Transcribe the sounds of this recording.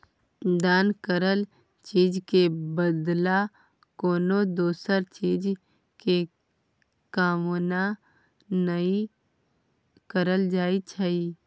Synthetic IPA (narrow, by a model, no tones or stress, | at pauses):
d̪aːnkəɾəl | t͡ʃiːd͡ʒkebəd̪la | koːnod̪oːsəɾt͡ʃiːd͡ʒ | ke | kaːmona | nəi | kəɾəld͡ʒaːit͡ʃʰəiː